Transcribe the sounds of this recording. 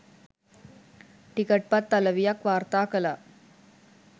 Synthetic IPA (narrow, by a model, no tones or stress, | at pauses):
ʈikəʈ̚pat̪ːaləʋijakʋaɾt̪akəla